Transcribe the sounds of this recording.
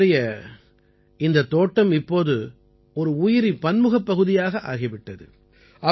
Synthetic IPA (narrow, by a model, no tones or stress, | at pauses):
ɐjɐ | ɪnd̪ɐt̪ːoːʈːɐmɪpːoːðɯ | ɔɾɯʊjɪɾipɐnmɯɣɐpːɐɣɯðɪjaːɣɐʔa̰ːɣɪʋɪʈːɐðɯ̰ | ɐ